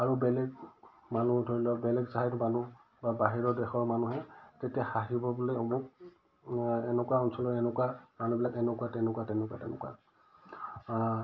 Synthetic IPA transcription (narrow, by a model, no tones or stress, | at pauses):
aɹubɛlɛɡ | manudʱoɹilɔbɛlɛɡzaɦajtmanu | babaɦiɹɔdɛxɔɹmanuɦɛtetiaxaɦibɔbulɛɔmʊk | ɛnɛkuwaɔnsɔlɔɛnɛkuwamanubilakɛnɛkwatɛnɛkuatɛnɛkwa̰tɛnɛ̰kwa̰